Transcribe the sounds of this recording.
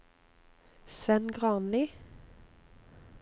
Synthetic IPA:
sʋɛnɡʁɑːnli

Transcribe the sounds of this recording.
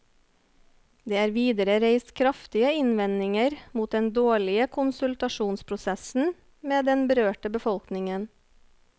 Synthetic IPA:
d̪eːæːɾʋiːd̪əɾəɾeɪst̪kʰɾɑft̪ɪəɪnʋɛnɪŋəɾmuːt̪̚d̪ɛnd̪oːɭɪəkʰʊnsʉlt̪ɑʃuːnspʰɾʊsɛsn̩ | meːd̪ɛnbəɾøːʈəbəfɔlknɪŋən

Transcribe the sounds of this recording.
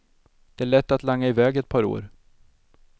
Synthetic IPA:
d̪̥ɛæɭɛt̪ːat̪laŋːaɪvɛːɡɛt̪̚pʰɑːɾo̰ːɾ

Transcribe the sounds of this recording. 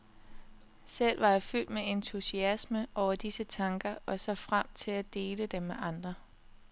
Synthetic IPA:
sel̰ʋɑ̈jɑ̈fyl̰d̥meent͡sʰusiæsməʔɒʊ̰ɐd̥isət͡sʰɑ̈ŋɡ̥ɐɒ̽sɒfʁam̰t͡sʰe̝læd̥e̝ːləd̥emːeʔɑ̈nd̥ʁɐ

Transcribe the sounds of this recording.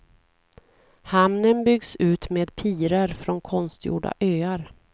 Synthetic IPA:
hamnənbʏɡsʉ̟ːt̪meːd̪pʰiːɾəɾfɾɔnkʰɔnst̪jṵːɖa̰ʔøːaɾ

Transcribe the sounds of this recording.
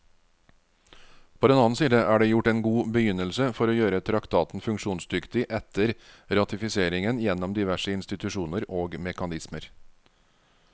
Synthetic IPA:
pʰoːd̪ɛnɑːnsiːd̪əʔæːɖeːjʊʈeːnɡuːbəjʏnəlsəfɔɾoːjøːɾət̪ʰɾɑkt̪ʰɑːt̪n̩fʉŋkʃuːnsd̪ʏkt̪ɪʔɛt̪əɾɾɑt̪ɪfɪseːɾɪŋənjɛnɔmd̪ɪʋæʂəɪnst̪ɪt̪ʉʃuːnəɾoːɡmɛkɑnɪsməɾ

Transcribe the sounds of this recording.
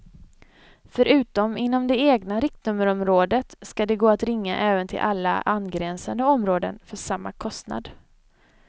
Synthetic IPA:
fœɾʔʉ̟ːt̪ɔmɪnːɔmd̪ɛeːɡnaɾɪk̚t̪nɵmːəɾɔmɾoːd̪ət̪skad̪ɛɡoːat̪ɾɪŋːa̰ʔɛːvənt̪ʰɪ̰lʔalːa̰anɡɾɛnsand̪əɔmɾoːd̪ə̰nfœʂamːa̰kʰɔst̪na̰d̪

